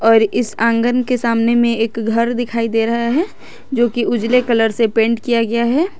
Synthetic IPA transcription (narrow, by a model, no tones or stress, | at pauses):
ɔːɾɪsãːŋɡənkesaːmnemẽeːkɡʱɐɾd̪ɪkʰaːid̪eːɾɐɦaɦɛː | d͡ʒoːkiʊd͡ʒlekɐləɾsepẽːɳʈkijaɡɐjaɦɛː